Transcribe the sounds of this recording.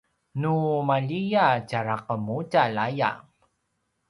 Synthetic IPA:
numaʎijacaɾaqəmutalaja̰

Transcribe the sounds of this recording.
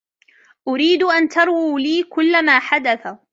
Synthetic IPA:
ʔʊɾiːd̪ʔant̪ɑɾˤwiːliːkʊlːamaːħad̪aθa

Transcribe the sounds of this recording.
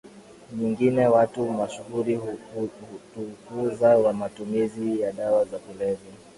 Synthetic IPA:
ɲiŋɡinɛwatumaʃuɣuɾihutukuzawamatumizijaɗawazakulɛvi

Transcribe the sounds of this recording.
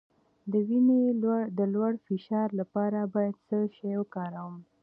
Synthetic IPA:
d̪əwined̪əlwaɽfɪʃɑɾlapɑɾabɑjad̪səʃajokɑɾawəm

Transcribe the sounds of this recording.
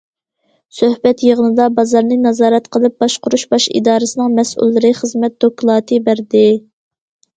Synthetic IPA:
søhbɛt̪jəʁənɨd̪ɑbɑzɑɾnɨnɑzɑːɾɛt̪qʰəlˠɨp̚b̥ɑʃqʊɾuʃbɑʃḭd̪ɑːɾɨsɨnɨŋmɛsṵlˠːɨɾɨχəzmɛt̪̚d̪̥okʰlˠɑːt̪ʰɨbæɾd̪ɪ

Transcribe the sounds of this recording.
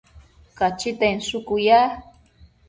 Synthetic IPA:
kat͡ʃit̪ensʊkuja

